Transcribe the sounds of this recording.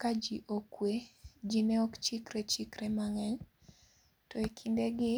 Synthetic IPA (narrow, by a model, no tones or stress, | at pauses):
kad͡ʒiʔokwed͡ʒinɛɔkt͡ʃikɾet͡ʃikɾemaŋɛɲ | tɔekʰindeɡɪ